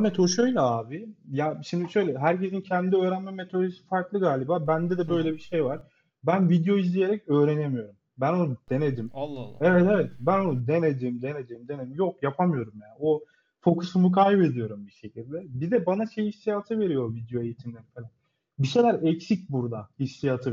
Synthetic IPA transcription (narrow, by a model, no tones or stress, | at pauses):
amɛt̪ʰoʃøjlʲɛaːbijaʃimd̪iʃø̞jlʲɛɦæɾce̞zincʰɛnd̪id̪iøːɾænmɛmet̪ʰo̞d̪esi̥faɾklˠɯɡaːlʲibaːbænd̪ɛd̪ɛbø̞jlʲebiʃe̞jvaɾ̥ | bænvid̪jo̞izlʲije̞ɾɛcø̞ːɾe̞nemijo̞ɾum | bæno̞nud̪̥e̞ned̪imːˠae̞vɛt̪evɛt̪̚bæno̞nud̪e̞ned͡ʒ̪eimd̪e̞ned͡ʒ̪eimd̪e̞neimjo̞k̚japʰamɯjo̞ɾumjaːnio | fo̞kʰusumukʰajbe̞d̪ijo̞ɾumbiʃe̞cʰilʲd̪ɛbid̪ɛbanaʃe̞jiiʃt̪ijat̪ʰɯve̞ɾijo̞vid̪jo̞e̞jit̪ʰimlʲe̞ɾifelʲan | biʃe̞jlʲæɾɛcsic̚buɾd̪ahiʃt̪ijat̪ʰɯ